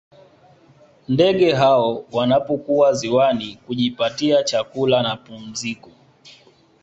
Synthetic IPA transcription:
ndɛɠɛɦaɔwanapɔkuaziwanikuʄipatiat͡ʃakulanapum̩zikɔ

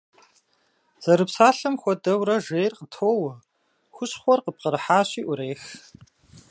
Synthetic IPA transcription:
z̥ɐɾɨpsaːɬɨmxʷɔdɐwɾɐʒejrqətʰoːw | xʷʊɕχʷɔrqəp̚qəɾɨħaːɕiːʔʊɾeːx

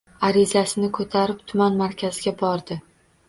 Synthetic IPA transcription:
aɾɪzasɪnɪkʰɵt̪ʰaɾɪpt̪ʰʊmanmaɾkʲʰazɪɡʲabɒɾd̪ɪ

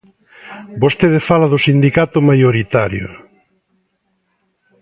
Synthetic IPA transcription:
bost̪eðefalaðʊsind̪ikat̪ʊmajoɾit̪aɾjo̰

